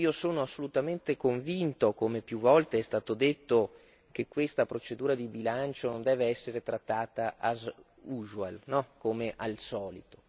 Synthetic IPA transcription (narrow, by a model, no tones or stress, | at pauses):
iːosoːnoasːolut̪ament̪ekoɱvint̪okomepjuvːɔlt̪eɛst̪aːt̪od̪et̪ːo | k̟ekːwest̪apɾot͡ʃed̪uːɾad̪ibilant͡ʃonond̪ɛːveɛsːeɾet̪ɾat̪ːaːt̪aʔaz | uʒwa̰lnɔkomeʔalsɔːlit̪o̥